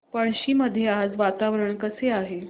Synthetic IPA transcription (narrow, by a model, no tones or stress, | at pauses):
pəɭɕiːməd̪ʱːjead͡zʋat̪aʋɾəɳkəseaɦe